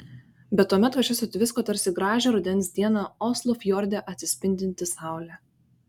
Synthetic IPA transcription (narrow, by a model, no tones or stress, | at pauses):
bʲɛt̪ːuɔmʲɛt̪kɐt͡ʃʲʊsʲʊt̪ʲʋʲɪskoːt̪ɐɾʲsʲɪɡɾɑːʒʲɛɾʊd̪ʲɛnʲsʲd̪ʲiɛnɑɔslˠɔfjɔɾʲd̪ʲɛʔɐt̪ʲsʲɪsʲpʲɪnʲd̪ʲɪnʲt̪ʲɪsɑˑʊlʲɛ